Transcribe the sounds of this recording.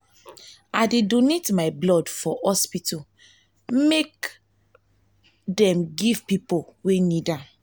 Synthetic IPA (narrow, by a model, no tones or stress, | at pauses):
adedonetmaɪblɔdfɔhɔspitɔ | mek | dɛ̃mɡiv̥pipowenida